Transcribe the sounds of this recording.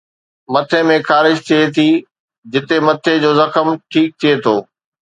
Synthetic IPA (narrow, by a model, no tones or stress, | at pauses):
mɐt̪ʰemẽxaːɾɪʃt̪ʰiet̪ʰi | d͡ʑɪt̪emɐt̪ʰed͡ʑoːzɐxəmʈʰiːk̚t̪ʰiet̪ʰoː